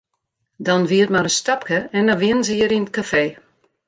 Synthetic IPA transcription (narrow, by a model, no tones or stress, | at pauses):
dɔnʋiətmaɾənstɔpkəɛndɔʋɪənənzəjəɾinət̚kafeː